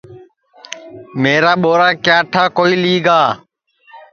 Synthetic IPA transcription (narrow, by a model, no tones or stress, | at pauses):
meːɾaːɓoːɾaːkjaːʈʰaːkoːiːliːɡaː